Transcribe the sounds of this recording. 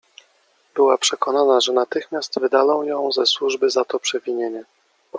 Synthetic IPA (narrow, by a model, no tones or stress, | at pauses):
b̥ɘwapʂɛkɔnanaʐɛnat̪ɘxmʲjast̪vɘd̪alɔ̃w̃jɔ̃w̃zɛswuʐbɘzat̪ɔpʂɛvʲiɲeɲɛ